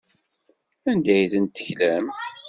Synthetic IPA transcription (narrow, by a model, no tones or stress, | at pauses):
ænd̪æjθənt̪ːəçlæm